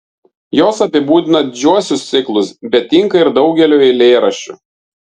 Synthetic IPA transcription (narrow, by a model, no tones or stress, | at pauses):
joːsɐpʲɪbuːd̪ʲɪnɐd̪ʲɪd͡ʒʲuɔsʲʊst̪sʲɪklˠʊsbʲɛt̪t̪ʲːɪŋkɐɪɾd̪ɒʊɡʲɛlʲoːɪlʲeːɾɐʃʲṵːˑ